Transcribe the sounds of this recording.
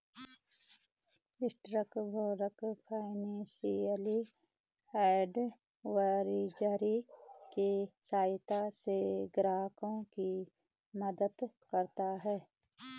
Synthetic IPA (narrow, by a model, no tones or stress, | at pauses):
ɪsʈɾəkboːɾəkpʰaːɪnẽːʃiəli | ɛːɖ | waɾid͡ʒaɾikesaːt̪aseɡɾaːkõki | məd̪əd̪kəɾt̪aɦɛː